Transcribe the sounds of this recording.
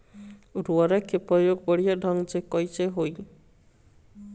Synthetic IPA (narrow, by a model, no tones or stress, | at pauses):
ɾuaɾakʰepɔjoɡbɔɽijaɖʱɔŋɡd͡ʒekɔjt͡ʃeɦoj